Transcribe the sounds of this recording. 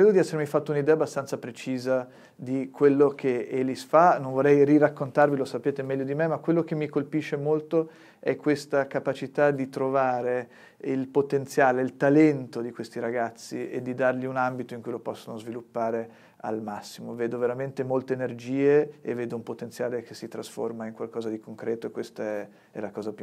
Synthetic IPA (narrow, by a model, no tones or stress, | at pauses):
kɾeːd̪od̪iɛsːeɾmifat̪ːounid̪ɛːabːast̪ansapɾet͡ʃiːza | d̪ikʰwelːokʰeelisfanõɱvorːɛjrirakːont̪arvilosapeːt̪emɛʎːod̪imemakwelːok̟emːikolpiʃːemolt̪o | ɛkːwest̪akapat͡ʃit̪ad̪it̪ɾovaːɾe | ilpot̪ent̪sjaːleilt̪alɛnt̪od̪ikwest̪iɾaɡat̪sːiḛd̪ːid̪arʎiunambit̪oiŋkujlopɔsːonozvilupːaːɾe | a̰lmasːimoveːd̪oveɾament̪emolt̪eːnerd͡ʒiːeḛvːeːd̪oumpot̪enjaːlekesit̪ɾasfo̰rmaiŋkwalkɔːzad̪ikoŋkɾɛːt̪oekːwest̪aɛ | ɛ̰lakɔːzapu